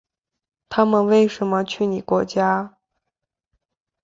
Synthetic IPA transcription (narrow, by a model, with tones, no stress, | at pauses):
t̪ʰa˥mə˨nwe˥˩ɪʂə˧˥nmə˧t͡ɕʰy˥˩ni˨˩kwɔ˧˥t͡ɕja˥